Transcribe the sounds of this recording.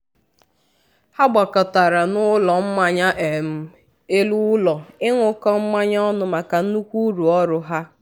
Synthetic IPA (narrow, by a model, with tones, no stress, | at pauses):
ha˦ɡ͡ba˨kɔ˨ta˨ɾa˨nʊ˦lɔ˨m̩˦ma˦ɲa˦ʔe˨m̩˨ | e˦lu˦lɔ˨ɪ˦ŋʷʊ˦kɔ˦m̩˦ma˦ɲ˦ɔ˦nʊ˦ma˨ka˨n̩˦nu˦kʷu˦ɾu˨ɔ˦ɾʊ˦ɦa˦